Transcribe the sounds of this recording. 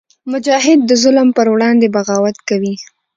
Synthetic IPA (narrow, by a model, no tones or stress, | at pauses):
mʊd͡ʒɑɦɪd̪̚ːəzʊləmpəɾwɽɑnd̪ebaɣɑwat̪kawi